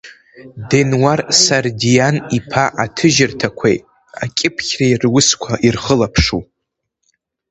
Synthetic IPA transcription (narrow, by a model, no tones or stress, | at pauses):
denwarsardijanipʰaʔatʰɨʒɪrtʰakʷʰḛjtʼ | a̰kʲʼɪpʰχʲrajrwʊskʷʰaʔirχəlapʰʂu